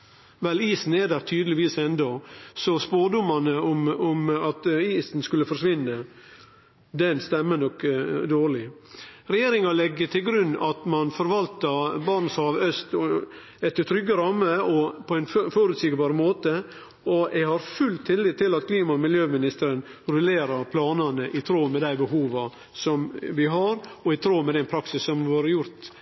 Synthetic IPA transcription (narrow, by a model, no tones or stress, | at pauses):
ʋɛliːsn̩ɛd̪æɾt̪ʰyːd̪əlɪʋiːsɛnd̪ɔsɔspoːɖʊmɑnəʊmʊmɑt̪iːsn̩skʉlːəfɔɾʂʋɪnːə | d̪ɛnst̪ɛmːənɔkːd̪oːɾɭɪ | ɾɛjeːɾɪŋɑlɛɡːət̪ʰɪlɡɾʉnːɑt̪mɑnfɔɾʋɑlt̪ɑbɑɾɳəsæɑʋœst̪ | ɛt̪ːət̪ʰɾʏɡəɾɑmːəɔpʰɔɛɪnfɔɾʉːt̪sɪkəbɑːɾəmoːt̪ə | ɔʔɛɡhɑɾfʉlt̪ʰːɪlːɪːt̪ʰːɪlɑt̪kʰliːmɑɔmɪljøːmɪnɪst̪əɾən | ɾʉleːɾɑɾpʰlɑːnɑnəʔɪt̪ʰɾoːmɛd̪æɪbəɦuːʋɑ | sɔmʋɪɦɑɾɔɪt̪ʰɾoːmɛd̪ɛnpʰɾɑksɪsːɔmʋoːɾəjʊɾt̪